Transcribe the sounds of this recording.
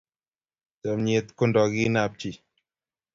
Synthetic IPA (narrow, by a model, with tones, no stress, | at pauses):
d͡ʒa˨mɲe˨t̪̚ko˦ndɔ˨ɡi˦na˦˨p̚t͡ʃi˨